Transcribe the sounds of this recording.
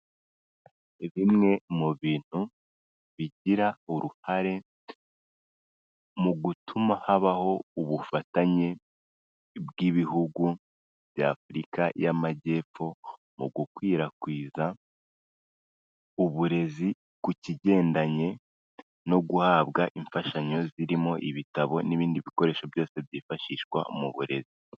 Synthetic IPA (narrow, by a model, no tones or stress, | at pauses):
eβimŋe̞muβiːn̥hu | βiɟiɾauɾuhaɾe̞ | muɡutʰumahaβaho̞uβufataɲe̞ | bɡiβihuɡu | bja̰ːfɾikajamaɟe̞ːp͡ffo̞ | muɡukwiːɾakwiːza | uβuɾe̞zi | kuciɟe̞ːndaɲe̞ | no̞ɡuhaːβbɡaʔiɱfaʃaɲo̞ziɾimo̞ʔiβitaβo̞niβiːndiβiko̞ɾe̞ːʃo̞bjo̞ːse̞bjiːfaʃiːʃɡwa̰muβuɾe̞zi